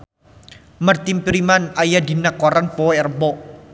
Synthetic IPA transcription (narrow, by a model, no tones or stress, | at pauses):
mart̪impiɾimanajad̪i̤nakɔɾanpɔɛrəbɔ